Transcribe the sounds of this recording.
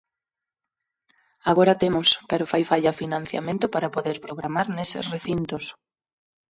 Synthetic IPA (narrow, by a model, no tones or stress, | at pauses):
aɣoɾat̪emospeɾofajfaʎafinãnθja̰mẽnt̪ʊpaɾapoðeɾpɾoɣɾamaɾnesɪ̰sreθint̪os